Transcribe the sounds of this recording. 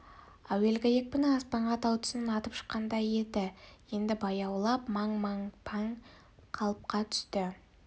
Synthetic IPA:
æwelɡʲejek̚pɪnɪɑspɑɴʁɑt̪ɑwt̪ʰʏ̥snənɑt̪əpʃə̥qːɑnd̪ɑje̞d̪ɪje̞nd̪ɪbɑjɑwlˠɑpmɑɴmɑɴpʰaŋ | qʰɑlˠəp̚qɑt̪ʰʏ̥st̪ɪ

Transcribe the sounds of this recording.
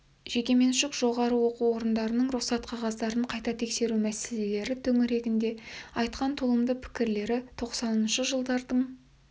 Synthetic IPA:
ʒ̥e̞kʲe̞me̞nʃɪkʒ̥o̞ʁɑɾəwo̞quwwo̞ɾənd̪ɑɾənəɴɾʊχsɑt̪qʰɑʁɑzd̪ɑɾəɴqʰɑjt̪ɑt̪ʰe̞kse̞ɾumæse̞le̞le̞ɾɪt̪ʰɵŋɪɾe̞t̪ɪnd̪e̞ɑjt̪qɑnt̪ʰʊlˠəmd̪əpʰɪ̥kʲɪɾle̞ɾɪt̪ʰo̞qsɑnənʃəʒəlˠd̪ɑɾd̪əɴ

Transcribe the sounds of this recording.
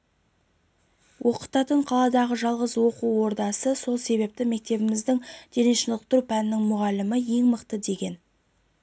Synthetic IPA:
wʔo̞qət̪ɑt̪əɴqʰɑlˠɑd̪ɑʁəʒɑlˠʁəzwo̞quwwo̞ɾd̪ɑsəso̞lˠse̞βe̞p̚t̪ɪme̞k̚t̪e̞bɪmɪzd̪ɪŋd̪̥eɾɪnʃɪnəqt̪ʊɾpænɪnɪŋmʊʁɑlɪmɪje̞ŋməqt̪əd̪e̞ɡʲe̞n

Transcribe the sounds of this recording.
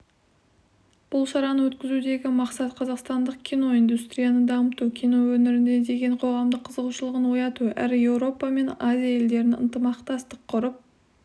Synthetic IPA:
b̥ʊlˠʃɑɾɑnəwɵt̪kʲɪzud̪e̞ɡʲɪmɑqsɑt̪qʰɑzɑqst̪ɑnd̪əq̚kʲʰijno̞ijnd̪ust̪ɾʲijanəd̪ɑmət̪ukʲʰijno̞wɵnɪɾɪnd̪e̞d̪e̞ɡʲe̞ɴqʰo̞ʁɑmd̪əqʰːəzəʁuʃəlˠəʁənwo̞jɑt̪uʔæ̰ɾɪje̞wɾo̞pɑme̞nazʲijaje̞ld̪e̞ɾɪnə̰nt̪əmɑqt̪ɑst̪əqʰːʊɾəp̚

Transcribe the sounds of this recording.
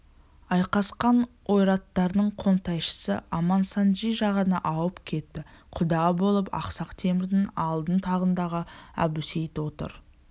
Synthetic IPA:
ɑjqɑsqɑn | wʔo̞jɾɑt̪ːɑɾd̪əɴqʰo̞nt̪ɑjʃə̥sə̰ʔɑmɑnsɑnʒijʒɑʁənɑ̰ʔɑwəpkʲʰe̞t̪ːɪqʰʊd̪ɑbo̞lˠəpɑ̰qsɑqt̪ʰe̞mɪɾd̪ɪnɑlˠd̪ənt̪ʰɑʁənd̪ɑʁəæ̰bʉse̞jt̪wo̞t̪ə̰ɾ

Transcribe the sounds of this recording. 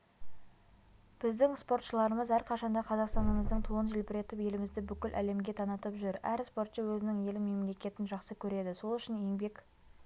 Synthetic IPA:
b̥ɪzd̪ɪŋspo̞ɾt̪ʃəlˠɑɾəməzæɾqʰɑʃɑnd̪ɑqʰɑzɑqst̪ɑnəməzd̪əɴt̪ʰuənʒɪlpɪɾe̞t̪ɪpje̞lɪmɪzd̪ɪbʏkʲɪlʔæ̰le̞mɡʲe̞t̪ʰɑnət̪əpʒʏɾæɾspo̞ɾt̪ʃəwɵzɪnɪŋje̞lɪnme̞mle̞kʲe̞t̪ɪnʒɑqsəkʲʰɵɾe̞d̪ɪso̞lˠʏʃɪne̞ŋbe̞k

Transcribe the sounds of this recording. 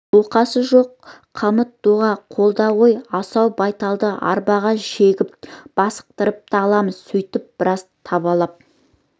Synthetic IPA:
oqɑsəʒo̞q̚ːʰ | ɑmət̪̚d̪̥uʁɑqʰo̞lˠd̪ɑʁojɑsɑwbɑjt̪ɑlˠd̪əɑ̰ɾbɑʁɑʒeɡʲɪp̚b̥ɑsə̥q̚t̪əɾəp̚t̪ɑlˠɑməz̥sɵjt̪ɪp̚b̥ɪɾɑst̪ʰɑbɑlˠɑp̚

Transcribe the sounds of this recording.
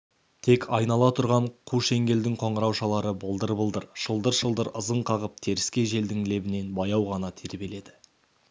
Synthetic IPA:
t̪ʰe̞kʰɑjnɑlˠɑt̪ʰʊɾʁɑɴqʰuʃe̞ŋɡʲe̞ld̪ɪŋqʰo̞ɴəɾɑwʃɑlˠɑɾəbəlˠd̪əɾbəlˠd̪əɾʃəlˠd̪əɾʃəlˠd̪əɾəzəɴqʰɑʁəp̚t̪ʰe̞ɾɪskʲe̞ʒe̞ld̪ɪŋle̞bɪne̞nbɑjɑwʁɑnɑt̪ʰe̞ɾbe̞le̞d̪ɪ

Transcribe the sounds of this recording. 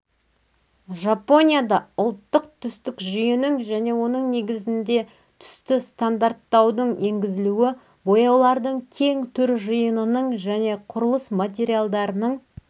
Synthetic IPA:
ʒapo̞nʲijad̪ɑʊlˠt̪ːəq̚t̪ʰʏst̪ɪkʒʏjɪnɪŋʒæne̞wo̞nəɴne̞ɡʲɪzɪnd̪e̞ | t̪ʰʏ̥st̪ɪst̪and̪aɾt̪ːɑwd̪əɴe̞ŋɡʲɪzɪluwɪ | bojɑwlˠɑɾd̪əɴkʲʰe̞ŋt̪ʰʏɾʒəjənənəɴʒæne̞qʰʊɾəlˠəsmat̪̬ʲe̞ɾʲijalˠd̪ɑɾənəɴ

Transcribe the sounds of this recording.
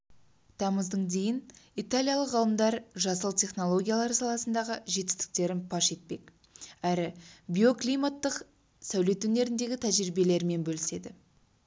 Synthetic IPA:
t̪ʰɑməzd̪əɴd̪e̞jɪnijt̪alʲijalˠəqʁəlˠəmd̪ɑɾʒɑsəlˠt̪ʰʲe̞χno̞lˠo̞ɡʲijalˠɑɾsɑlˠɑsənd̪ɑʁəʒe̞t̪ɪ̥st̪ɪ̥k̚t̪e̞ɾɪnpʰɑʃe̞t̪̚pe̞k | æɾɪbʲio̞klʲijmat̪ːəq | sæwle̞t̪wɵne̞ɾɪnd̪e̞ɡʲɪt̪ʰæʒɾibe̞le̞ɾme̞nbɵlɪse̞d̪ɪ

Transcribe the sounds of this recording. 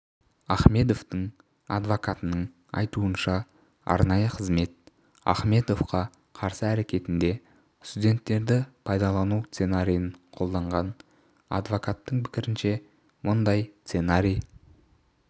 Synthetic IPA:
ɑχme̞d̪o̞ft̪əɴ | ɑ̰d̪vokat̪ənəɴ | ɑ̰jt̪uənʃɑ | ɑ̰ɾnɑjəqʰəzme̞t̪̚ | ɑ̰χme̞d̪o̞fqɑ | qʰɑɾsəæɾe̞kʲe̞t̪ɪnd̪e̞ | st̪udʲe̞nt̪ːe̞ɾd̪ɪpʰɑjd̪ɑlˠɑnust̪se̞naɾʲijəɴqʰo̞lˠd̪ɑɴʁɑn | ɑ̰d̪vokat̪ːəɴpʰɪ̥kʲɪɾɪnʃe̞ | mʊnd̪ɑjst̪senaɾʲij

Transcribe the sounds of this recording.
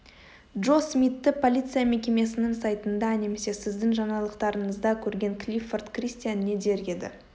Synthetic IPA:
dʒo̞smijt̪ːɪpʰo̞lʲijt̪sɨjame̞kʲe̞me̞sɪnɪŋsajt̪ənd̪ɑne̞me̞se̞sɪzd̪ɪŋʒɑɴɑlˠəqt̪ɑɾəɴəzd̪ɑkʲʰɵɾɡʲe̞ŋklʲifort̪krʲist̪ijanːe̞d̪e̞ɾɡʲe̞d̪ɪ̰

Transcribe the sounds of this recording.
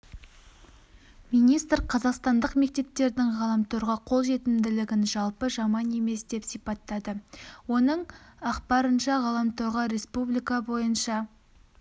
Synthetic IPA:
minijst̪ɾqʰɑzɑqst̪ɑnd̪əqme̞k̚t̪e̞p̚t̪ːe̞ɾd̪ɪŋʁɑlˠɑmt̪oɾʁɑqʰo̞lˠʒe̞t̪ɪmd̪ɪlɪɡʲɪnʒɑlˠpəʒɑmɑne̞me̞sd̪e̞psijpɑt̪ːɑd̪əwo̞nəɴɑqpɑɾənʃɑʁɑlˠɑmt̪ʰo̞ɾʁɑɾe̞spublijkɑbo̞jənʃɑ

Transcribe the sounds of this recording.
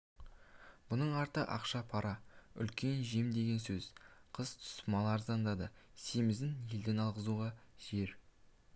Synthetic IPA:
bʊnəɴɑɾt̪əʔɑ̰qʃɑpʰɑɾɑʏ̰lkʲe̞nʒe̞md̪e̞ɡʲe̞nsɵzqʰəzt̪ʰʊ̥smɑlˠɑɾzɑnd̪ɑd̪əse̞mɪzɪnje̞ld̪enɑlˠʁəzuʁɑʒ̥e̞ɾ

